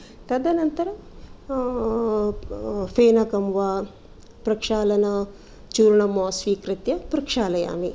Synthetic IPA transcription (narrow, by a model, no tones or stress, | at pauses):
t̪ɐd̪ɐnɐnt̪ɐɾɐ | feːnɐkɐmʋaː | pɾɐkʂaːlɐnɐ | t͡ʃuːɾɳɐmoːsʋiːkɾit̪jɐpɾɐkʂaːlɐja̰ːmi